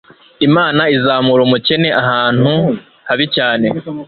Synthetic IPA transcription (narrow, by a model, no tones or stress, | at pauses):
imaːnaizaːmuɾumuce̞ne̞ʔaɦaːn̥hu | haβicaːne̞